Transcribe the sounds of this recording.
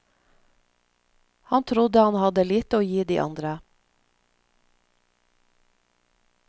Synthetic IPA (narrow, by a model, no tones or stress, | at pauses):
hɑnt̪ʰɾʊd̪əhɑnhɑd̪əliːt̪əoːjiːd̪iːʔɑ̰nd̪ɾə